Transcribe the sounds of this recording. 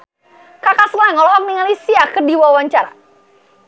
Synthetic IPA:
kakasəŋaŋɔlɔɦɔk̚niŋalisiakərdiwawaɲt͡ʃaɾa̰

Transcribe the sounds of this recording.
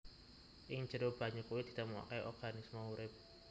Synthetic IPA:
ʔɪŋd͡ʒəɾob̥a̤ɲakuwid̪̥i̤̥t̪əmua̰kajʔɔ̰rɡ̥anisməuɾɪp̚

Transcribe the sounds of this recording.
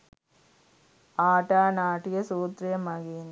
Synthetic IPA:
aːʈaːnaːʈːɪjɐsuːt̪ɾɪjɐmɐɣiːn

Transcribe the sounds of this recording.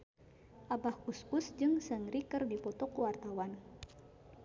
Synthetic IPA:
ʔabahkuskusd͡ʒɨŋsəŋɾikɨrdipɔt̪ɔkuwart̪awan

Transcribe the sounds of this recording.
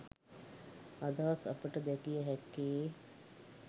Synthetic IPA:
ad̪aːsɐ̰pəʈəd̪ɛkijəɦɛkːeː

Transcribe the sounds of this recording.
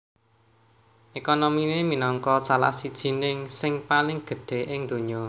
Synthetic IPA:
ʔekonomineminɔŋkɔsala̰hsid̥ʒ̥i̤nɪŋsɪŋpalɪŋɡ̥ə̤ɖ̥e̤ʔɪŋd̪̥ṳɲɔ

